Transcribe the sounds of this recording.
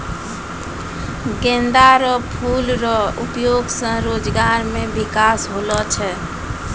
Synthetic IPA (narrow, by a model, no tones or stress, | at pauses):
ɡẽnd̪aɾɔpʰulɾɔupjoɡsə̃ɾod͡ʒɡaɾmebikasɦolɔt͡ʃʰɛ